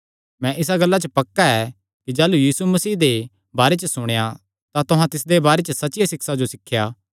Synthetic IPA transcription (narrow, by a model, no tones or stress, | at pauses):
mɛ̃ʔɪs̬aɡɐlːat͡ʃəpɐkːaɛ | kid͡ʒaːlujiːsumɐsiːd̪e | baːɾet͡ʃəsʊɽ̃eja | t̪at̪ʊɦãt̪ɪsd̪ebaːɾet͡ʃəsɐtːt͡ʃɪjasɪksad͡ʒosɪkʰːjaː